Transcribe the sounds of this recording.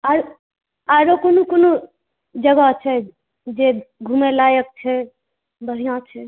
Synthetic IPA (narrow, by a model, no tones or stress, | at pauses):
aɾ | aɾokonukono | d͡ʒəɡat͡ʃʰɛ | d͡ʒeɡʱumelaːjək̚t͡ʃʰɛ | bəɾ̤ijãt͡ʃʰɛ